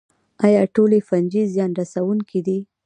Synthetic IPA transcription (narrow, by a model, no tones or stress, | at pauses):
ɑjɑʈolefand͡ʒizjɑnɾasawuŋkʰid̪i